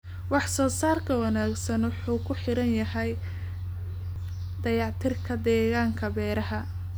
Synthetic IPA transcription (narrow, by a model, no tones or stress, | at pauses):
wɑħsɔːsaːrkʰɐwɑnaːɡsɐnwʊħuːkʰʊħɪɾɐnjɐɦɛj | d̪̥ɐjɑʕt̪ʰɪrkʰɐd̪ɛːɣaːŋkʰɐbɛːɾɐɦɐ